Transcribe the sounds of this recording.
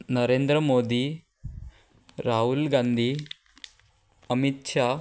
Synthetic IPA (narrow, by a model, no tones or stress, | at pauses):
nɐɾeːnd̪ɾɐmoːd̪i | ɾaːɦulɡaːnd̪ʱi | ɐmit̪ʃa